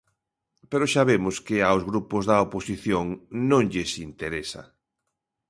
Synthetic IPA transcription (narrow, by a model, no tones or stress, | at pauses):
peɾoʃaβemʊskɪawzɣɾupʊzðɐoposiθjoŋnõŋʎɪsint̪eɾesɐ̰